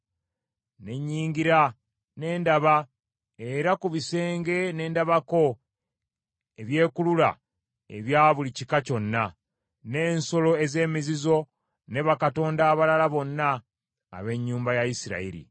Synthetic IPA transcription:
ne̞ɲːiːɲɡiɾa | ne̞ːndaβa | e̞ɾakuβise̞ːŋɡe̞ne̞ːndaβako̞ | eβje̞ːkulula̰ | ḛβjaːβulicikaco̞nːa | ne̞ːnso̞lo̞eze̞ːmizizo̞ | ne̞βakato̞ːndaːβalalaβo̞nːa̰ː | βe̞ɲːuːmbajaisiɾa̰ḭɾḭ

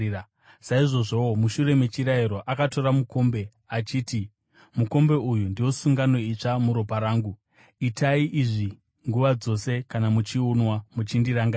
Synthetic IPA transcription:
saiʐo̞ʐo̞omuʃuɾe̞met͡ʃiɾaiɾo̞ʔakato̞ɾamuko̞mbe̞ | at͡ʃiːti | muko̞mbe̞ujundio̞suŋɡano̞it͡ʂamuɾopaɾaːŋɡu | itaiʔiʐi | ŋɡuʋad͡zo̞se̞kanamut͡ʃiunwamut͡ʃindiɾaŋɡaː

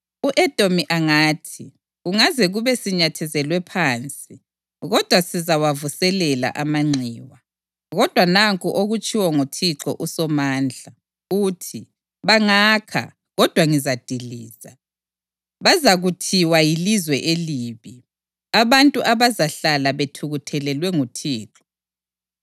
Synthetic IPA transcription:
uʔɛd̥ʼʱomiʔaŋaːtʰi | uŋazɛɣuβɛsiɲatʰɛzɛlwɛpʰaːnt͡sʼi | ɣɔd̥ʱwasizawavusɛlɛla̰ʔamaŋ͡ǀiːwa | ɣɔd̥ʱwanaŋkʼuʔoɣut͡ʃʼiwɔŋotʰiǁɔ̰ʔusɔmaːnd͡ɮʱa | uːtʰi | βaŋaːkʰa̰ | ɣɔd̥ʱwaŋizad̥ʱiliːza | βazaɣutʰiwajilizwɛʔeliːβi | aβantʼuʔaβazaɬalaβetʰuɣutʰɛlɛlwɛŋutʰiːǁɔ̥

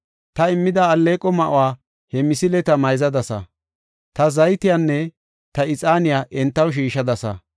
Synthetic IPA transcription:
t̪ɐɪmːɪd̪ɐːlːeːkʼːɔmɐʔʊwaː | hɛmɪsɪlɛt̪ɐmɐjzɐd̪ɐsɐ̰ | t̪ɐzɐjt̪ɪjaːnːɛ | t̪ɐɪt͡sʼaːnɪjaːʔɛnt̪ːɐwʃ̬iːʃɐd̪ɐsɐ̰

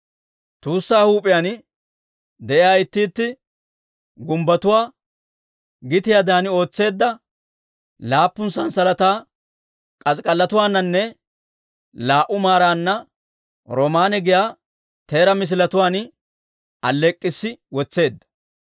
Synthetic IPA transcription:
t̪uːsːaːhuːpʼɪjaːn | d̪ɛʔɪjaːɪt̪ːiːt̪ːɪ | ɡʊmbɐt̪ʊwaː | ɡɪt̪ɪjad̪aːnɪo̞ːt͡sːe̞ːd̪ːɐ | laːpːʊnsɐnsɐlɐt̪aː | kʼɐskʼɐlːɐt̪ʊwaːnːɐnːɛ | laːʔʊmaːɾaːnːɐ | ɾɔmaːnɛɡɪjaː | t̪e̞ːɾɐmɪs̬ɪlɐt̪ʊwaːn | ɐlːɛkʼːɪsːɪwɔt͡sːe̞ːd̪ːɐ̥

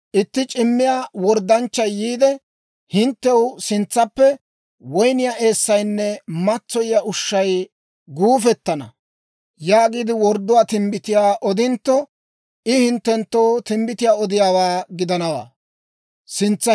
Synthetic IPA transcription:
ʔɪt̪ːɪt͡ʃʼɪmːɪjaːwɔɾd̪ɐnt͡ʃːɐjːiːd̪ɛ | hɪnt̪ːɛwsɪnt͡sːɐpːɛ | wɔjnɪjaːʔe̞ːsːɐjnːɛmɐt͡sːɔjɪjaʔʊʃːɐj | ɡuːfɛt̪ːɐnɐ | jaːɡiːd̪ɪwɔɾd̪ːʊwaːt̪ɪmbɪt̪ɪjaːʔɔd̪ɪnt̪ːɔ | ʔɪhɪnt̪ːɛnt̪ːowt̪ɪmbɪt̪ɪjaːɔd̪ɪjaːwaːɡɪd̪ɐnɐwa̰ː | sɪnt͡sːɐ

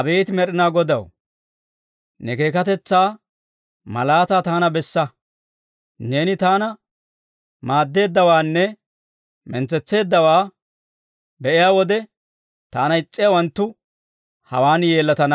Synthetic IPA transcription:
ɐbeːt̪ɪmɛɾɪnaːɡɔd̪ɐ̰w | nɛke̞ːkɐt̪ɛt͡sːaː | mɐ̰laːt̪aːt̪aːnɐbɛsːɐ | ne̞ːnɪt̪aːnɐ | maːd̪ːe̞ːd̪ːɐwaːnːɛ | mɛnt͡sːɛt͡sːe̞ːd̪ːɐwaː | bɛʔɪjaːwɔd̪ɛ | t̪a̰ːnɐɪt͡sʼːɪjawɐnt̪ːʊ | hɐ̰waːnje̞ːlːɐt̪ɐnɐ

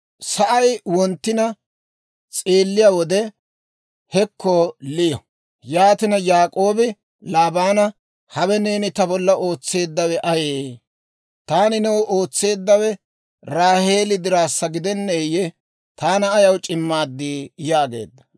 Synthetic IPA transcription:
sɐʔɐjwɔnt̪ːɪnɐ | t͡sʼeːlːɪjawɔd̪ɛ | hɛkʰːɔlɪjɔ | jaːt̪ɪnɐjaːkʼo̞ːbɪ | laːbaːnɐ | hɐwɛneːnɪt̪ɐbɔlːɐʔo̞ːt͡sːe̞ːd̪ːɐwɛʔɐjeː | t̪aːnɪnɛwʔo̞ːt͡sːe̞ːd̪ːɐwɛ | ɾaːhe̞ːlɪd̪ɪɾaːsːɐɡɪd̪ɛnːɛjɛ | t̪aːnɐːjɐwt͡ʃʼɪmːaːd̪ːiːjaːɡe̞̰ːd̪ːɐ̥

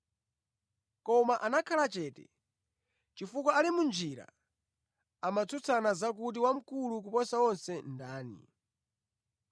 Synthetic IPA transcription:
kɔmaʔanakʰalat͡ʃɛːtɛ̰ | t͡ʃifukwaalimund͡ʒiɾa̰ | amat͡sʰut͡sʰanazak̬ut̬iwam̩kuluk̬upɔsawɔnsɛndaːnḭ

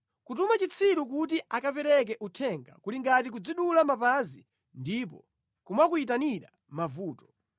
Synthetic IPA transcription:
kutumat͡ʃit͡sʰiɾukutiʔakapɛɾɛk̬ɛʔutʰɛŋɡa̰kuliŋɡatik̬ud͡ziɗulamapazi | ndip̬ɔ̰ | kumwakuit̬aniɗa̰ | mavuːtɔ̥

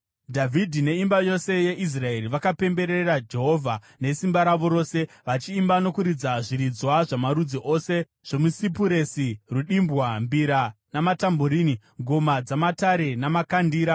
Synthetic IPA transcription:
dʱavʱidʱine̞imbajo̞se̞je̞ʔis̬rae̞riʋakape̞mbe̞ɾerad͡ʒe̞ɦo̞vʱa | ne̞simbaɾaʋo̞ɾo̞ːse̞ | ʋat͡ʃiːmbano̞kuɾid͡zaʐiɾid͡zwaʐamaɾud͡ziʔo̞se̞ | ʐ̥o̞musip̬uɾe̞siruɗimbwambiɾanamatamboɾiːni | ŋɡʱo̞mad͡zamataɾe̞namakandiːɾa

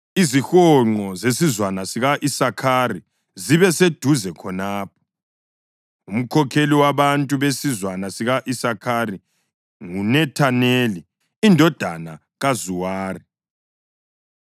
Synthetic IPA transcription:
izixɔŋ͡ǃɔzesizwanasiɣaʔisakʰari | ziβɛsed̥ʱuzɛkʰɔnaːp̚ʰɔ̥ | um̩kʰɔkʰeliwaβantʼuβesizwanasiɣaʔisakʰaɾi | ŋunɛtʰaneli | indʱɔd̥ʱana | ɣazuwaːri

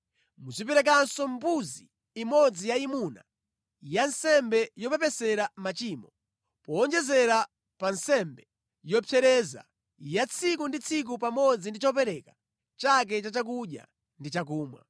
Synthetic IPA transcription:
muzipɛɾɛk̬ansɔmpuziː | mɔd͡zijaimuna̰ | jansɛmbɛjɔpɛpɛsɛɾamat͡ʃiːmɔ | pɔːnd͡ʒɛzɛɾa | pansɛmbɛ | jɔpʰjɛɾɛza̰ | jat͡sʰikundit͡sʰik̬upamɔd͡zindit͡ʃɔpɛɾɛkḁ | t͡ʃak̬ɛt͡ʃat͡ʃak̬uɗja̰ | ndit͡ʃakuːmwa̰

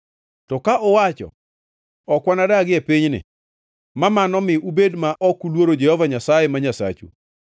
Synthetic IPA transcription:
tɔkaʔɔwat͡ʃɔ̰ | ɔkwanadaɡɪɛpiɲnɪ̰ | mamanɔmɪubedmaʔɔkulwoɾod͡ʒehɔvaɲasajɛmaɲasa̰t͡ʃṵ

